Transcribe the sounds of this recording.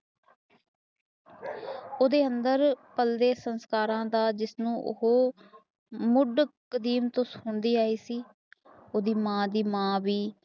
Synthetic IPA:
oːd̪eːənd̪əɾpəld̪eːsənskaːɾãːd̪aːd͡ʒɪsnũːʔʊ̰ɦoː | mʊɖkəd̪iːmt̪õːsʊɳd̪iːaːiːsiː | oːd̪iːmãːd̪iːmãːʋiː

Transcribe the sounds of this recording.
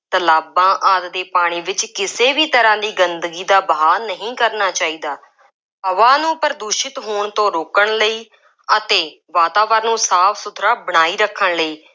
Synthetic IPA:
t̪əlaːbãːʔaːt̪d̪eːpaːɽ̃iːʋɪt͡ʃkɪseːʋiːt̪əɾãːd̪iːɡənd̪ɡiːd̪aːbɦaːlnəɦĩːkəɾnaːt͡ʃaːiːd̪aː | pəʋaːnũːpəɾd̪uːʃɪt̪ɦoːɳt̪õːɾoːkəɳləiː | ət̪eː | ʋaːt̪aːʋəɾnũːsaːpʰsʊt̪ʰɾaːbəɽ̃aːiːɾəkʰːəɳləiː

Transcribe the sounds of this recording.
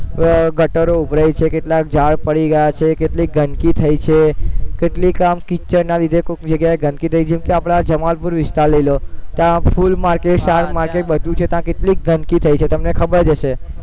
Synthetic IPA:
ɡəʈəɾoubʱɾajt͡ʃʰekeʈlak̚d͡ʒaɭpəɽiɡəjat͡ʃʰekeʈliɡʱənkit̪ʰəit͡ʃʰekeʈlikamkit͡ʃəɾnalid̪ʱekkd͡ʒəɡjaeɡʱənkit̪ʰəid͡ʒɛmkeapɽ̃ad͡ʒəmalpuɾʋɪst̪aləilot̪ãpʰulmaɾkeʈsaɾmaɾkeʈ̚bəd̪ʱũt͡ʃʰet̪ãkeʈlik̚ɡʱənkit̪ʰəit͡ʃʰet̪əmnekʰəbəɾd͡ʒəʃe

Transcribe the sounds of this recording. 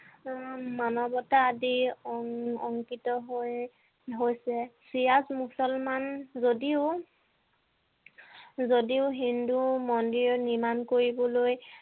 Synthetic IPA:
manɔbɔtaːdi | ɔŋkitɔɦoj | ɦojsɛsijazmusɔlmanzodiʊ | zodiʊɦindumɔndiɹɔnimankoɹibɔloj

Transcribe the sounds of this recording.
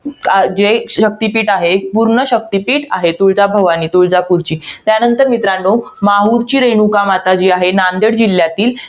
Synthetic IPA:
ad͡ʑeɕək̚t̪ipiːʈaɦepuɾɳəɕək̚t̪ipiːʈaɦet̪oɭd͡zabʱəʋañiːt̪oɭd͡zapuɾt͡ɕiːt̪janənt̪əɾmit̪ɾaɳɖomaɦuɾt͡ɕiːɾeɳukamat̪ad͡ʑiːaɦenand̪əɽd͡ʑil̤ːjat̪iːl

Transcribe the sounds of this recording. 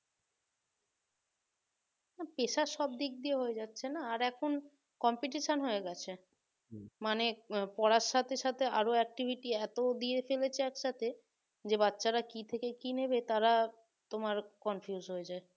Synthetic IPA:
napeʃaʃɔb̚d̪ik̚d̪ieɦoed͡ʑatːɕʰenaːɾɛkʰon | kɔmpiʈ̬iʃanɦoeɡɛt͡ɕʰe | manepɔɾaʃːat̪ʰeʃat̪ʰea̰ɾoɛk̚ʈibʱiʈiɛt̪od̪iefelet͡ɕʰeɛkʃat̪ʰe | d͡ʑebatːɕaɾakit̪ʰekekinebet̪aɾa | t̪omaɾkɔnfijuzɦoed͡ʑae

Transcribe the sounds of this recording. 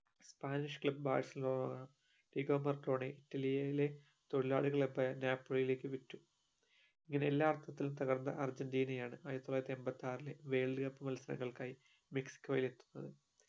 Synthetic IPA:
spaːniʂkɭɐbba̰ːrseloːnɐɐ | ʈiɡo̞ːmɐrʈo̞ːɳeʔitːɐlijɐjile̞ | t̪oɻila̰ːɽiɣɐɭebːɐnjaːpːoɭjile̞ːkːɨʋitːu | iŋːɐne̞elːaːɐrt̪ʰːɐt̪ːilumt̪ɐɣɐrnd̪ɐ̰ʔɐrd͡ʑɐndiːnɐjaːɳɨʔaːjɐt̪ːolːajɾɐt̪ːiembɐt̪ːaːrileʋe̞ːɭɨɣɐpːɨmɐlɐsɐɾɐ̰ŋːɐɭkaːji | meksi̥kʲːoːjile̞t̪ːu̥nːɐðɨ

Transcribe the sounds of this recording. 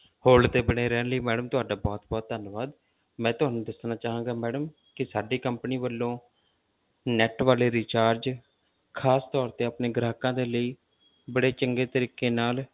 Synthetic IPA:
hoːlt̪eːbəɽeːɾɛːnləiːmɛːɖəmt̪ʊaːɖaːbɔːt̪̚bɔːt̪̚d̪ʱənʋaːd̪ | mɛ̃ːt̪ʊɦaːnũːd̪əsnaːt͡ʃaːɦãːɡaːmɛːɖəm | kɪsaːɖiːkəmpniːʋəlːõː | nɛːʈʋaːleːɾiːt͡ʃaːɾd͡ʒ | kʰaːst̪ɔːɾt̪eːaːpneːɡɾaːkãːd̪eːləiː | bəɽeːt͡ʃəŋɡeːt̪əɾiːkːeːnaːl

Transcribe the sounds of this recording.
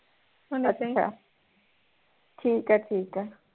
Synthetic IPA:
unata̰ | tʰiːkʼatʰiːkʼa

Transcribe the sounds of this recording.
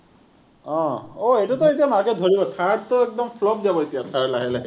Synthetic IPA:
ɔ̃oetut̪ɔetiamaɹket̚dʱɔɹibɔt̪ʰaɹt̪ɔek̚d̪ɔmpʰlɔb̚d͡ʒabɔet̪ijat̪ʰaɹlaɦɛlaɦi

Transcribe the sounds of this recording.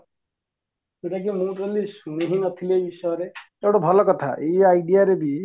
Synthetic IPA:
seʈakimũpɾelisuniɦinɔt̪ʰileejbisɔjɔɾe | ewɽɔbʱɔlɔkɔt̪ʰa̰ʔejajɖijaɾebi

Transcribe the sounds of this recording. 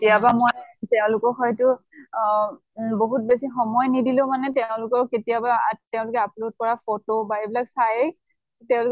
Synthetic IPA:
etijabamojtɛʊ̃lʊkɔxɔjtʊ | boɦut̚besixɔmɔjnidilʊ̃manɛtɛʊ̃lʊkɔɹketijabatɛʊ̃lʊkɛaplod̚kɔɹafotobaebilaksajɛ | tɛʊ̃lʊk

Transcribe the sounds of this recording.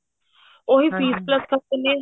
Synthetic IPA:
oːɦifiːspləskʰɐene

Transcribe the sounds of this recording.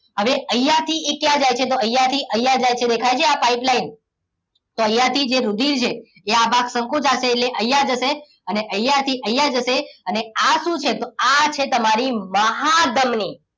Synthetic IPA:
ɦəʋeʔəjːat̪ʰiekjãd͡ʒajt͡ʃʰet̪̬oəjat̪ʰiʔəjad͡ʒajt͡ʃʰed̪ekʰajt͡ʃʰeapaiplain | t̪oəjːat̪ʰid͡ʒeɾud̪iɾt͡ʃʰeː | abaksəŋkõd͡ʒaʃeːʈleʔəjːad͡ʒəʃe | əneʔəjat̪ʰiʔəjːad͡ʒəʃeəneaʃũt͡ʃʰet̪oat͡ʃʰet̪əmaɾiməɦad̪əmni

